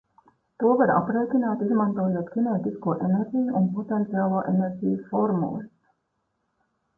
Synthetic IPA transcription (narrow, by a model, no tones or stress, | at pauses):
t̪uvəɾɑ̰pɾejkʲinæːt̪izmɑnt̪oːlot̪kineːt̪iskuːʔeneɾɡʲiːunpot̪ent̪siɑːlˠuːʔeneɾɡʲiːfoɾmṵs